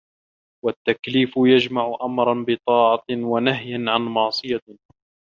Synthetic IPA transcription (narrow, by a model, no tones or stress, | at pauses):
wat̪ːakliːfʊjad͡ʒmaʕʊʔamɾˤɑnbɨt̪ˤɑːʕɑwanaɦjanʕanmɑʕsˤɨja